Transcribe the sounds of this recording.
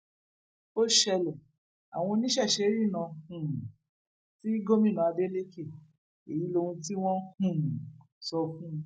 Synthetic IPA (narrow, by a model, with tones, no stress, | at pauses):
o˦ʃɛ˧lɛ˨ | a̰˨w̃ɔ̃˧nĩ˦ʃɛ˦˨ʃe˧˦ɾi˦˨nã˨˧hũ˨ | ti˦ɡo˦mĩ˦˨nã˨a˧de˦le˦ke˦˨ | e˨ji˨˦lo˧hũ˧t̬i˦w̃ɔ̃˦hũ˦˨ | sɔ˧kũ˦˧